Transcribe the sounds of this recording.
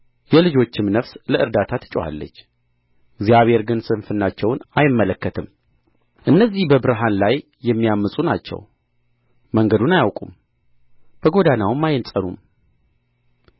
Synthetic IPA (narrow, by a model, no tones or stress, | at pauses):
jɛlɨd͡ʒo̞t͡ʃːɪmnəfsləɨɾd̪at̪ʰat̪ʰɨ̥t͡ʃʼwa̰lːə̰t͡ʃː | ɪɡzijaβhe̞ɾɡɨnsɨnfɨnːat͡ʃːɛwnajɪmːələkːət̪ʰɨm | ʔɨnːəzːihbəbɨɾɨɦanlajːɛmːijamːɨsʼuna̰t͡ʃːɛ̰w | məŋɡəd̪unajawkʼum | b̥əɡo̞d̪anawɨmːajɪnsʼənum